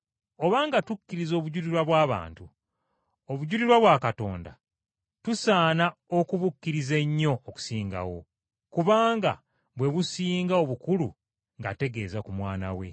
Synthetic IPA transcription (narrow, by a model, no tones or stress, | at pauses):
o̞βaːŋɡatukːiɾizo̞ːβuɟuɾiɾwaβwaːβa̰ːntu | oβuɟuɾiɾwaβwakato̞̰ːnda̰ | tusaːnaokuβukːiɾize̞ɲːo̞ːku̥siːŋɡa̰wo̞̰ | kuβaːŋɡa̰ | βwe̞βusiːŋɡao̞βukulṵ | ŋɡate̞ɡe̞ːzakumwaːna̰we̞̰